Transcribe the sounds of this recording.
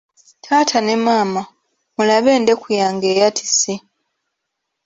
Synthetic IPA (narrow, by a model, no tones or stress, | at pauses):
tʰaːtʰane̞maːma | mulaβe̞ːnde̞kujaːŋɡe̞ːjatʰi̥si